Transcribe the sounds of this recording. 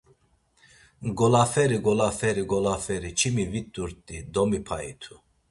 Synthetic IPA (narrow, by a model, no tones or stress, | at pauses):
ɡɔlafɛɾiɡɔlafɛɾiɡɔlafɛɾit͡ʃʰimivit̪ʼuɾt̪ʼid̪ɔmipʰaḭt̪ʰu